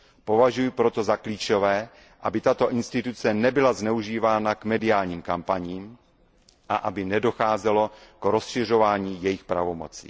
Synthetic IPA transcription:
po̞vaʒujɪpɾo̞t̪o̞zakliːt͡ʃovɛː | ʔabɪt̪at̪o̞ʔɪnst̪ɪt̪ut͡sɛnɛbɪlaznɛuʒiːvaːnakmɛdɪaːlɲiːmkampaɲiːm | ʔaʔabɪnɛdo̞xaːzɛlo̞kɾosʃɪr̝o̞vaːɲiːjɛjɪxpɾa̰vo̞mo̞̰t͡sḭ

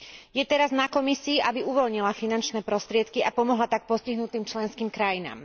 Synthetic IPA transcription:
jɛt̪ɛɾaznakɔmisiːʔabiʔuʋɔlɲilafinant͡ʃnɛːpɾɔst̪ɾɪɛt̪kiapɔmɔɦlat̪ak̚pɔsciɦnut̪iːmt͡ʃlɛnskiːmkɾajina̰ːm

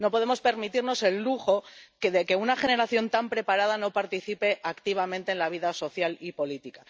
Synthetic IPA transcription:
no̞po̞ð̞e̞mo̞spe̞ɾmit̪iɾno̞se̞lːuxo̞kðe̞ke̞unaxe̞ne̞ɾaθjo̞nt̪ampɾe̞paɾað̞ano̞paɾt̪iθipe̞ʔakt̪iβ̞amẽ̞nt̪e̞ːnlaβ̞iðaso̞θjalipo̞lit̪ika

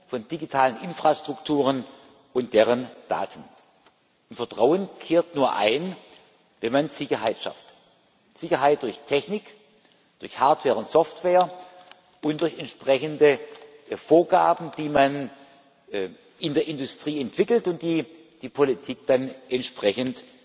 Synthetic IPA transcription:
fɔndiɡitʰaːlənʔɪnfʁ̥astʁ̥ʊktʰuːʁən | ʔʊntd̥eːʁ̞ənd̥a̰ːtʰən | ɪmfɐtʁ̥aʊənkʰeːɐtnuːɐʔa̰ɪn | vɛnmanz̥ɪçɐɦaɪtʃa̰ft | z̥ɪçɐɦaɪt̚d̥ʊɐçtʰɛçnɪk | d̥ʊɐçhaɐtv̥ɛːɐʁʊntsɔftv̥eːɐ | ʔʊntd̥ʊɐçɛntʃpʁ̥ɛçəndə | foːɐɡa̰ːbn̩d̥iːman | ɪndeːɐʔɪndʊstʁ̥iːɛntv̥ɪkl̩tʊnt̚d̥iː | d̥iːpʰolitʰiːk̚d̥anʔɛntʃpʁ̥ɛçənt

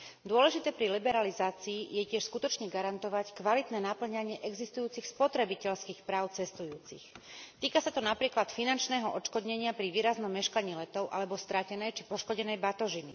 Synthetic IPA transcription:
d̪ʊɔlɛʒit̪ɛːpɾilibɛɾalizaːt͡siːjɛcɪɛʃskut̪ɔt͡ʃɲɛɡaɾant̪ɔʋackʋalit̪nɛːnapl̩ɲaɲɪɛʔɛɡzist̪ujuːt͡sixspɔt̪ɾɛbicɛʎskiːxpɾaːʊt͡sɛst̪ujuːt͡sḭxt̪iːkasat̪ɔnapɾiːklat̪finant͡ʃnɛːɦɔʔɔt͡ʃkɔd̪ɲɛɲɪapɾiʋiːɾaznɔmːɛʃkaɲiːlɛt̪ɔʊʔa̰lɛbɔst̪ɾacɛnɛjt͡ʃipɔʃkɔɟɛnɛjbat̪ɔʒini

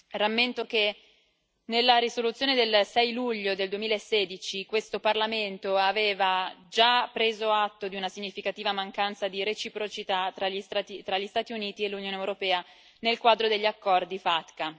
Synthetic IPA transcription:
ramːent̪oke | nelːaɾisolut̪sːjoːned̪elsɛjluʎːod̪eld̪uwemilaesːeːd̪it͡ʃikwest̪oparlament̪oaveːvad͡ʒapːɾeːzoat̪ːod̪iunasiɲːifikat̪iːvamaŋkant̪sad̪iɾet͡ʃipɾot͡ʃit̪at̪ɾaiait̪ɾaʎːist̪aːt̪iuniːt̪ielːunjoːneewɾopɛːa | nelkwaːd̪ɾod̪eʎːiakːɔrd̪ifat̪ka

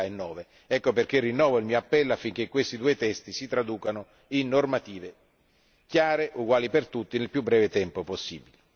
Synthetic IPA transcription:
aenːɔːve | ɛkːoperk̟erːinːɔːvoilmiːoapːɛlːoafːiŋk̟ekːwest̪id̪uːet̪ɛst̪isit̪ɾad̪uːkano | inːormat̪iːve | kjaːɾeʔuɡwaːlipert̪ut̪ːinelpjubːɾɛːvet̪ɛmpoposːḭːbili

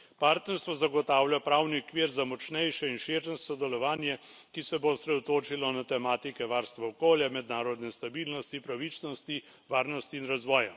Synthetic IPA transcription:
paːɾt̪nɛɾst̪ʋɔzaɡɔt̪aːwljapɾaːwniɔkʋiːɾzamɔt͡ʃnɛjʃɛinʃeɾʃɛsɔd̪ɛlɔʋaːnjɛ | kisɛbosɾɛd̪ɔt̪oːt͡ʃilɔnat̪ɛmaːt̪ikɛʋaːɾst̪ʋaɔkoːljamɛd̪naːɾɔd̪nɛst̪abiːlnɔst̪ipɾaʋit͡ʃnɔst̪i | ʋaːɾnɔst̪iːnɾazʋɔːja

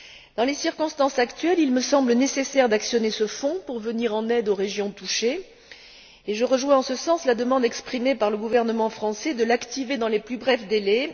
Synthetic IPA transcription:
d̪ɑ̃lesiʁkɔ̃st̪ɑ̃sakt̪ɥɛlilməsɑ̃blənesesɛʁd̪aksjɔnesəfɔ̃puʁvəniʁɑ̃nɛd̪oʁeʒjɔ̃t̪uʃe | eʒəʁəʒwɛ̃ɑ̃səsɑ̃slad̪əmɑ̃d̪ɛkspχimepaʁləɡuvɛʁnəmɑ̃fχɑ̃sɛd̪əlakt̪ived̪ɑ̃leplybʁɛfd̪elɛ

